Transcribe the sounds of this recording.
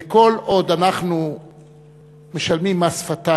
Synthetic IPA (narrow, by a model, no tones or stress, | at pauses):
eko̞lʔo̞d̪anaχnu | me̞ʃalmimasfat̪a